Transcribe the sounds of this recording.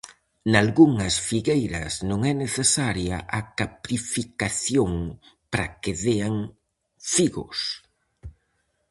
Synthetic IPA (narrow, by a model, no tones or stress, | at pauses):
nalɣuŋɐsfiɣejɾɐ̰snõŋɛneθesaɾjɐʔakapɾifikaθjoŋpɾakɪðeaŋ | fiɣʊ̰s